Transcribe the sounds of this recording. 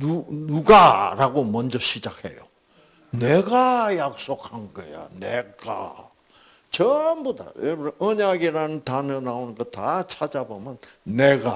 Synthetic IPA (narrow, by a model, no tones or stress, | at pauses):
nunuɡaɾaɡomʌnd͡ʑʌɕʰid͡ʑak̚hḛjo̰ | neɡajak̚s͈okʰhanɡʌ̰ja̰neɡ̥a̰ | t͡ɕʌmboda̰webɾʌʔʌɲaɡiɾanɯntanɯnaonɡʌtat͡ɕʰad͡ʑabomjʌnːeɡa